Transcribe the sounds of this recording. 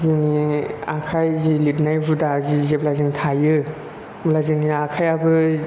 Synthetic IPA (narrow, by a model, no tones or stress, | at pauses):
ziniakʰajzilit̚najbudazizeplazɯŋtʰajɯ | mlazɯniakʰajabɯ